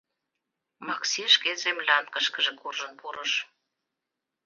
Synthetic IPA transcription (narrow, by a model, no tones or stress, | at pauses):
mɑksiʃkezemlʲɑnkəʃkə̆ʒĕkurʒə̆npuɾəʃ